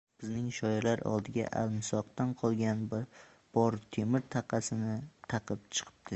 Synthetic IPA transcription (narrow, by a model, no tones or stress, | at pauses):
b̥ɪznɪŋʃɒjɪɾlaɾɒ̰lˠd̪ɪɡʲa̰ʔa̰lˠmɪsɒq̚t̪anqʰɒlˠɡʲanb | b̥ɒɾt̪ʰemɪɾt̪ʰɑqʰɑsɪnɪt̪ʰɑqʰɨp̚t͡ʃʰɨ̥qʰɨ̥p̚t̪ʰɪ